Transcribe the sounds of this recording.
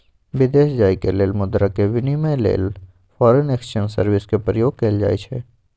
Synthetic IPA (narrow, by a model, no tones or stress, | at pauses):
ʋɪd̪eːʃd͡ʒaːikeleːlmʊd̪ɾakeʋɪnimajlḛːl | fɔːɾəneːkʃənsəɾʋɪskepɾəjoːɡ̚keːld͡ʒa̰ːit͡ʃʰɛː